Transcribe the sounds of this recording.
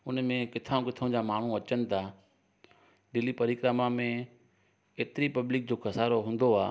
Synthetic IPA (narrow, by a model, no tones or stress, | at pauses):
ʊnmẽkɪt̪ʰaũkɪt̪ʰəʊ̃d͡ʑaːmaːɳ̤ũɐt͡ɕənɪ̆t̪ʰa | ɖɪlipɐɾiːkɾamamẽ | eːt̪ɪɾipɐblɪk̚d͡ʑoːkɐsaːɾoɦũːnd̪oaː